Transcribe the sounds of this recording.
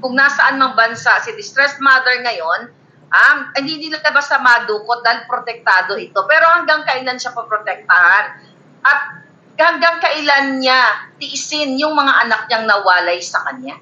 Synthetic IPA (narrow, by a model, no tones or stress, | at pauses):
kʊɡ̚nɐsɐʔanmɐŋbɐnsaʔsɪd̪ɪst̪ɾɛsmad̪ɛɹŋɐjo̞n | haɪnd̪inɪlalɐbɐsɐmaːd̪uːko̞t̪̚d̪aːɪlpɾot̪ɛk̚t̪aːd̪o̞ʔɪt̪o̞pɛːɾo̞hɐŋɡaŋkɐʔɪlanʃapɐpɾot̪ɛk̚t̪ɐhan | ʔɐt̪̚ | hɐŋɡaŋkɐʔɪlanɲat̪ɪʔɪsɪnjʊŋmɐŋaʔɐnak̚ɲaŋnɐwaːlɐjsɐkɐɲja